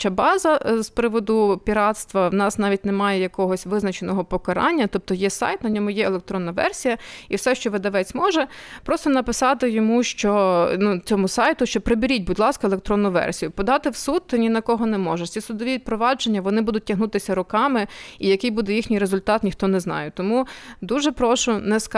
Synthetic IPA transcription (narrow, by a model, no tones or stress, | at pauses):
t͡ʃabɑzɐspɾɪʋɔd̪ʊpʲiɾɑt̪st̪ʋɐwnɑsnɑʋʲit̚ʲnemɑjɛjɐkɔɦɔsʲʋɪznɐt͡ʃenɔɦɔpɔkɐɾɑ̰nʲːɐt̪ɔp̚t̪ɔjɛsɑ̰jt̪nɐnʲɔmʊjɛelˠek̚t̪ɾɔnːɐʋɛ̰rsʲijɐiwsɛʃt͡ʃɔʋɪd̪ɐʋɛt͡sʲmɔʒɛpɾɔst̪ɔnɐpɪsɑt̪ɪjɔmuʃt͡ʃɔnut͡sʲɔmʊsɑjt̪ʊʃt͡ʃɔpɾebʲiɾʲit̚ʲbʊdʲlˠɑskɐelˠek̚t̪ɾɔnːʊʋɛ̰rsʲijʊpɔd̪ɑt̪ɪwsud̪̚nʲinɐkɔɦɔnɛmɔʒɛsʲisʊd̪ɔʋʲipɾɔʋɑd͡ʒenʲːɐʋɔnɪbud̪ʊt̚ʲtʲːɐɦnut̪ɪsʲɐɾʊkɑmɪijɐkɪjbud̪ɛjixnʲijɾezʊlʲt̪ɑt̪nʲixt̪ɔnɛznɑ̰jɛt̪ɔmud̪uʒɛpɾɔʃʊnɛsk